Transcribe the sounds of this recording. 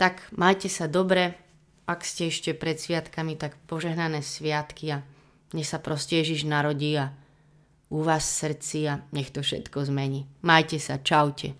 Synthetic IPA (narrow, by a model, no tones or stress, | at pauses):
t̪akmajcɛsad̪ɔbɾɛ | akscɛɛʃcɛpɾɛt̪sʋɪat̪kamit̪akpɔʒɛɦnanɛːsʋɪat̪kia | ɲɛxsapɾɔscɛjɛʒiʒnaɾɔɟiːa | uʋaːssr̩t͡siaɲɛxt̪ɔfʃɛ̰t̪kɔzmɛɲiːmajcɛsat͡ʃaʊcɛ̰